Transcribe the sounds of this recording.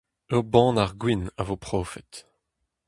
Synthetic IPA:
øbɑ̃ːnaʁɡwinavopχoːfɛt̪

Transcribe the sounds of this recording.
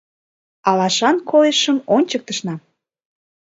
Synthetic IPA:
ɑlɑʃɑnkʰoleʃəmonʲt͡ɕək̚t̪əʃnɑ

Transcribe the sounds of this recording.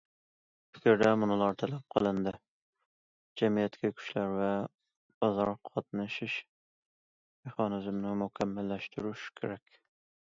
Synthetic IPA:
pʰɪ̥kʲɾd̪ɛmʊnɨlˠɑɾt̪ʰɛlɛp̚qʰəlˠɨnd̪ɨ | d͡ʒɛmijɛt̪kʲʰɛkʲʰy̥ʃlæɾvɛ | b̥ɑzɑɾqʰɑt̪̚nɨʃɪʃ | meχɑnɪzmnɪmukʲʰɛmːælːæʃt̪uɾuʃkʲʰḛɾɛkʲ

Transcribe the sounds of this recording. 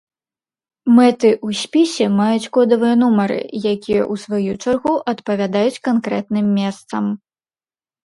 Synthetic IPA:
mɛt̪ɨʔusʲpʲisʲɛmajut͡sʲkɔd̪ɐvɨjɛnumɐɾɨ̰jakʲijɛ̰ʔusvajut͡ʂarɣuʔɐt̪pɐvʲad̪ajut͡sʲkankɾɛt̪nɨmːʲɛst̪sɐm

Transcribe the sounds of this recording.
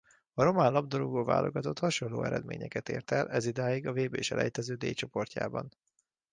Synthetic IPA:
ɒɾo̞manlɒbd̪oluɡoːva̰ːlʔo̞ɡɒt̪o̞t̪hɒʃo̞nlːo̰ːɛɾɛd̪mḛːɲɛkɛt̪ḛːrt̪ɛlʔɛzid̪aːjiɡɒveːbeːʃɛ̰lʔɛ̰jt̪ɛzøːd̪eːjt͡ʃo̞po̞rca̰ːbɒn

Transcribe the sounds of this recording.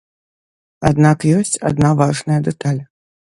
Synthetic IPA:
ad̪nakjɔsʲt͡sʲa̰d̪̚navaʐnɐjɐd̪ɛt̪alʲ

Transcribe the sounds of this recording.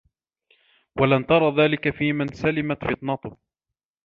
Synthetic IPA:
walamt̪ɑɾˤɑːðaːlɪkafiːmɪnsalɪmat̪fɪt̪ˤnɑt̪ʊh

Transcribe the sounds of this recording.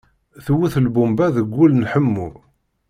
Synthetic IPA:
θwuθəlbumbæðəɡʷːulnħəmːu

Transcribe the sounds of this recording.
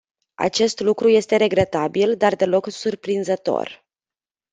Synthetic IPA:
a̰t͡ʃe̞st̪lukɾuje̞st̪e̞ɾe̞ɡɾe̞t̪abild̪ard̪e̞lo̞ksurpɾinzət̪o̞̰r

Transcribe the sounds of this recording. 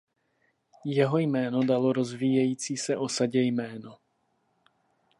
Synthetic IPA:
jɛɦo̞jmɛːnodalo̞ɾo̞zviːjɛjiːt͡siːsɛʔo̞saɟɛjmɛːno

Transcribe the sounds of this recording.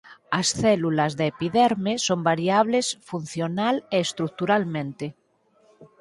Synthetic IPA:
asθɛlulazðeːpiðɛɾmesombaɾjaβ̞lesfun̟θjonaleːst̪ɾuk̚t̪uɾalmẽnt̪e

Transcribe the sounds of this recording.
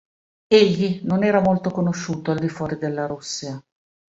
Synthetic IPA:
eʎːinonɛːɾamolt̪okonoʃːuːt̪oald̪ifwɔːɾid̪elːaɾusːia

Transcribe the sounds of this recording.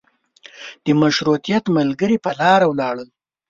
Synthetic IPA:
d̪̥əmaʃɾut̪ijat̪malɡəɾipəlɑɾawlɑɽəl

